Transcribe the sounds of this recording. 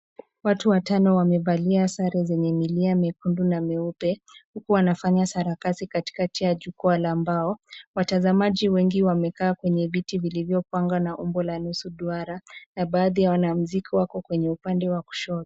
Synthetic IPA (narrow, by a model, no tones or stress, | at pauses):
watuwatanɔwamɛbaliasaɾɛzɛɲɛmiliamɛkundunamɛupɛhukuwanafaɲasaɾakasikati̥katijaʄukualaːmbaɔwatazamaʄiwɛŋɡiwamɛkaːkwɛɲɛvitivilivjɔpwaŋɡwanaʔumbɔlanusuɗuaɾanaɓaːðijawanam̩zikiwakɔkwɛɲɛupandɛwaku̥ʃɔɾi̥